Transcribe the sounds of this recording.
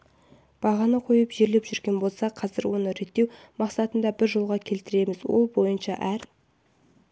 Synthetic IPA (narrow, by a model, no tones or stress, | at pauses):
b̥ɑʁɑnəqʰo̞jəpʒe̞ɾle̞pʒʏɾɡʲe̞nbo̞lˠsɑqʰɑzɪɾwo̞nəɾe̞t̪ːe̞w | mɑqsɑt̪ənd̪ɑbɪɾʒo̞lˠʁɑkʲʰe̞lt̪ɪɾe̞mɪzwo̞̰lˠbo̞jənʃɑʔæɾ